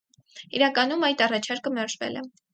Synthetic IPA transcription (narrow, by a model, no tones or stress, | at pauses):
iɾɑkɑnumɑjt̪ɑrɑt͡ʃʰɑɾkəmɛɾʒvɛ̰lɛ